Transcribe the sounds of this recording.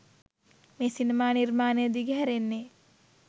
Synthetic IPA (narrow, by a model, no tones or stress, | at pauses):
meːsinemaːnirmaːnejəd̪iɡeɦæɾenːe